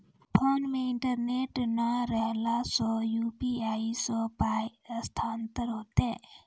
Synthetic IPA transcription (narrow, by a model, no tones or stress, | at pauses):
pʰonmeɪɳʈəɾneʈnaɾəɦlasɔ̃jupiaisə̃pajst̪ʰant̪əɾɦoːt̪e